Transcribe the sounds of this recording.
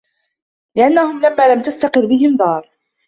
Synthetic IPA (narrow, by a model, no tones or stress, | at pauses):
lɪʔanːahʊmlamːaːlamt̪ast̪aqɨrbɪɦɪmðˤɑːɾˤ